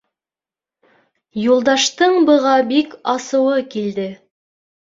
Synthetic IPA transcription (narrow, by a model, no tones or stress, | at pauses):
julˠd̪ɑʃt̪ɤɴbɤ̆ʁɑbikɑsɤ̆wɤkild̪ɘ